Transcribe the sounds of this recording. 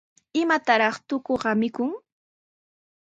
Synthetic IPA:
ɪmat̪aɾɑχt̪ʊkoɢɑmɪkʊŋ

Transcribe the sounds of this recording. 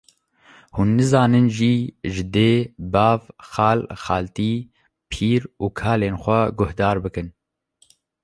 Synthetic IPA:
huːnːɨzɑːnɨnʒiːʒɪd̪eːbɑːvxɑːlxɑːlt̪iː | pʰiːɾuːkʰɑːleːnxʷɛɡʊhd̪ɑːɾbɨkɨn

